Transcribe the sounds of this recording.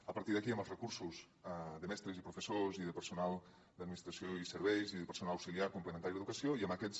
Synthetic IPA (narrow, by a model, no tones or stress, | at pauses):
əpəɾt̪iðəkiəmbəlˠzrəkuɾsuz | d̪əmɛst̪ɾəzipɾufəsoziðəpəɾsunalˠ | d̪əd̪minist̪ɾasioisəɾβɛjziðəpəɾsunalawsiliaɾkumpləment̪aɾiðeðukəsioiəməkɛs